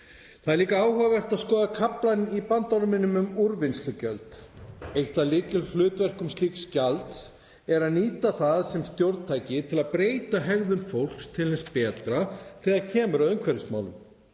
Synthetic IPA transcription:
θaðɛɾliːkaaːwhœavɛr̥t̪aðskɔːðakʰaplanipant̪ɔɾmɪnːʏmʏmuɾvɪnst̪lʏcœlt̪ejht̪alɪːcʏlflʏːt̪vɛr̥kʏmst̪iːkscalt̪s | ɛɾaðniːt̪aθaðsɛmst̪jowɾðtt̪ʰaːjcɪt̪ʰɪlaðpɾeːjt̪aɦɛɣðʏmfowl̥kst̪ʰɪlhɛnspɛːt̪ɾaθiðaðcʰɛːmʏɾaðʏmkʰvɛɾɪsma̰ːwlʏ̰m

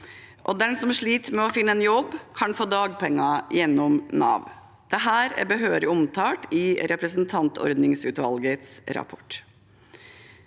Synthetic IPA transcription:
ʔɔd̪ɛnsɔmʂɭiːt̪əmɛɔfɪnːəɛnjɔbːkʰɑnfoːd̪ɑːɡpʰɛŋːɑjɛnːɔmnɑ̰ːʋ̪ | d̪̥ɛɦæːɾæ̰ɾbəɦøːɾɪɔmt̪ʰɑːʈɪɾɛpɾəsənt̪ʰɑnt̪ʰɔ̰ɾd̪nɪŋsʉːt̪ʋɑ̰lɡət̪sɾɑ̰pʰɔ̥ʈ

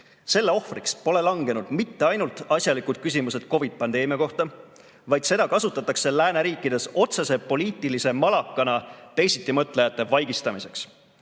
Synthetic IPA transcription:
se̞lːe̞o̞hfrikspo̞le̞lɑŋɡe̞nud̪̥mit̪ːe̞ɑjnult̪ˑɑsʲjɑlikud̪̥̚kys̬ʲimuse̞d̪̥ko̞vid̪̥̚pɑnd̪e̞ːmiɑko̞ht̪ɑ | vɑjd̪̥se̞d̪̥ɑkɑsut̪ːˑɑt̪ːˑɑkse̞læːneɾiːkːˑid̪̥e̞so̞t̪se̞se̞po̞liːt̪ːˑilise̞mɑlɑkːˑɑnɑt̪e̞jsit̪ːˑimɤt̪ːˑle̞jɑt̪ˑːe̞vɑjɡ̥ist̪ɑmise̞ks

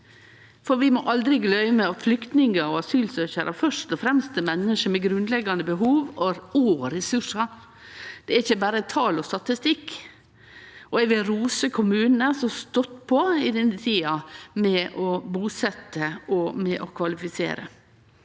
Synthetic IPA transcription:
fɔɾʋɪmɔʔɑld̪ɾɪɡlœʏməɔflʏkt̪nɪŋəɾɔɑsyːlsøːçəɾʔɑfœʂt̪ɔfɾɛmst̪ɛmɛnːəʂəmɛɡɾʉnd̪lɛɡɑnd̪əbəɦuːʋɔɾuːɾɛsʉʂɑɾ | d̪̥ɛæɾɪçːəbæːɾət̪ʰɑːlɔst̪ɑt̪ɪst̪ɪkː | ɔɛʋɪlɾuːsəkʰʊmʉːnn̩əsɔst̪ɔt̪ːpʰɔɪd̪ɛnːət̪ʰiːɑmɛʔɔbuːsɛt̪ːəɔmɛʔɔkʰʋɑlɪfɪsḛːɾə̰

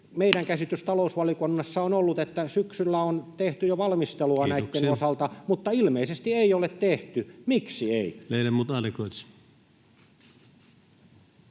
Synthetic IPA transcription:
meiɾæŋkæsit̪yst̪ɑlousʋɑlikonːɑsːɑonolːut̪et̪ːæsyksylːæont̪eht̪yjoʋɑlmist̪eluɑnæit̪ːenosɑlt̪ɑmut̪ːɑilmeisest̪ieijolet̪t̪eht̪ymiksieimeˑilæmuːt̪ɑlikoit̪si̥

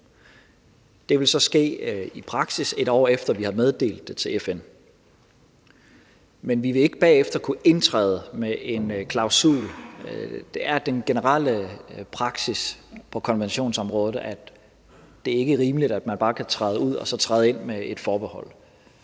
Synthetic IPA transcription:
d̥e̝ʋe̝lsɒ̽sɡ̥e̝̰ːipʰʁɑ̈ɡ̥sise̝ɾ̥ɒ̰ːefd̥ɐʋihæmeð̞ˠd̥e̝̰ːld̥et͡sʰe̝lefen | menʋiʋe̝e̝ɡ̥əb̥ɛ̰ːefd̥ɐkʰuʔe̝nt͡sʰʁɛ̰ːð̞ˠəmeʔe̝nkʰlɑ̈ʊsṵːl | d̥e̝æɐd̥enɡ̥enəʁɑl̰əpʰʁɑ̈ɡ̥sispʰɒ̽kʰɒ̽nʋenɕo̝̰ːnsɒ̽mʁɔːð̞̩ˠæ | d̥e̝æɐe̝ɡ̥əʁiːməlid̥æd̥mænb̥ɑ̈ːkʰæt͡sʰʁɑːðˠuð̞̰ˠɒ̽sɒ̽t͡sʰʁɑːð̩ˠe̝n̰mee̝d̥fɒːb̥ehɒ̽l̰

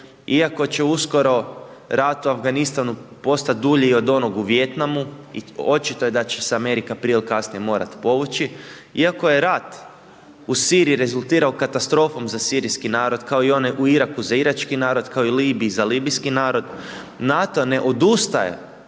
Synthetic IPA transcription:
iako̞t͡ɕe̞usko̞ɾo̞ | ɾat̪uafɡanist̪anupo̞st̪at̪̚d̪uʎiio̞d̪o̞noɡuʋje̞t̪namuḭo̞t͡ʃit̪o̞je̞d̪at͡ɕesame̞ɾikaːpɾilkasniemo̞ːɾa̰t̪po̞ʋut͡ʃi | iako̞je̞ɾat̪ | usiːɾijiɾe̞zulˠt̪iːɾaokat̪ast̪ɾo̞fo̞mzasiːɾiskinaːɾo̞d̪kao̞io̞neʔuiɾakuzaiɾat͡ʃkinaːɾo̞d̪kaoiliːbizaliːbiskinaːɾo̞d̪ | nat̪o̞ne̞ʔo̞d̪ust̪ajḛ

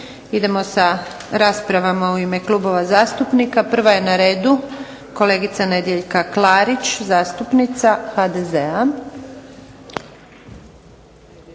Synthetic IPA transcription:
id̪e̞mo̞saɾaːspɾaʋamauime̞klˠubo̞ʋazaːst̪upnikapr̩ʋaje̞naɾe̞ːd̪u | ko̞le̞ːɡit̪sane̞d̪je̞ʎkaklˠaːɾit͡ɕzaːst̪upnit̪saxad̪ezea

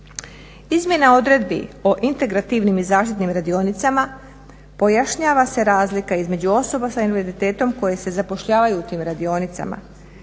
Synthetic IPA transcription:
izmʲje̞nao̞d̪ɾe̞d̪̚bḭoʔint̪e̞ɡɾat̪iʋnimizaːʃt̪it̪nimɾad̪io̞nit̪sama | po̞jaʃɲaːʋase̞ɾaːzlikaizme̞d͡ʑuo̞so̞basainʋeɾzit̪e̞ːt̪o̞mko̞je̞se̞zapo̞ʃʎaːʋajuːt̪iːmɾad̪io̞nit̪sa̰ma̰

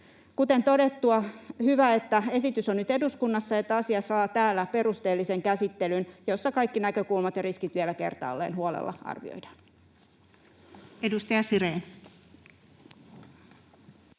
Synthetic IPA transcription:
kut̪ent̪o̞det̪ːuɑhyʋæet̪ːæe̞sit̪ysonnyt̪e̞duskunːɑsːɑet̪ːæɑsiɑsɑːt̪æːlːæpe̞rust̪eːlːiseŋkæsit̪ːelynjo̞sːɑkɑikːinækø̞kulmɑt̪jɑriskit̪ʋielæke̞̰rt̪ɑ̰ːlːḛːnhuolḛlːɑ̰ɑ̰rʋḭo̰jdɑ̥ːn | edust̪ɑjɑsiɾeːn

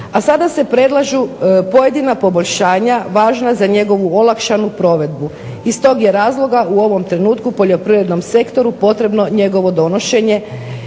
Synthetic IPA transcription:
asad̪ase̞pɾe̞d̪lˠaʒupo̞je̞d̪inapo̞bo̞ʎʲʃaːɲaʋaːʒnazaɲe̞ɡo̞ʋuolˠakʃanupɾo̞ʋe̞d̪bu | ist̪o̞ːɡje̞ɾaːzlˠo̞ɡauo̞ʋo̞mt̪ɾe̞nuːt̪kupo̞ʎo̞pɾiʋɾe̞d̪no̞mse̞kt̪o̞ɾupo̞t̪ɾe̞bno̞ɲe̞ɡo̞ʋo̞d̪o̞no̞ʃe̞ɲe̞

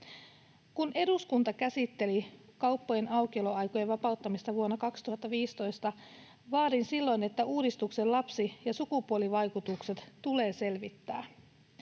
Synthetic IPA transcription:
kunʔe̞duskunt̪ɑkæsit̪ːe̞likɑwpːoje̞nɑwkieloɑjkojeʋɑpɑut̪ːɑmist̪ɑʋuonːɑkɑkst̪uhɑt̪ːɑʋiːst̪o̞jst̪ɑ | ʋɑːdinsilːo̞jne̞t̪ːæuːdist̪ukse̞llɑpsijɑsukupuo̞liʋɑjkut̪ukse̞t̪t̪ule̞ːse̞lʋit̪ːæː

